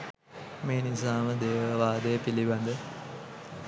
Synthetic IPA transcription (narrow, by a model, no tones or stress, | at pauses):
meːnisaːməd̪eːʋəʋaːd̪əjəpiliband̪ə